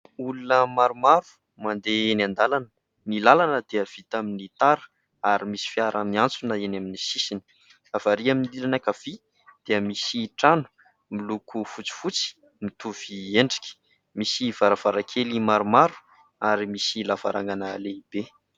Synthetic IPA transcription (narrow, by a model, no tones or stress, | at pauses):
ulunəmaɾumaɾu̥ | mand̪enand̪alanə̥ | nilalanəd̪eəv̥it̪aminit̪aɾu̥ | aɾimisi̥fiaɾəmiant͡sunəenaminisisinə̥ | afaɾiaminililanakav̥i | d̪̥eəmisiʈ͡ʂanu̥ | milukʰufut͡si̥fut͡si̥ | mit̪uv̥ieɳɖ͡ʐi̥kʲ | misiv̥aɾav̥aɾakʰelimaɾumaɾu̥ | aɾimisilavaɾʔaŋɡanəleib̥e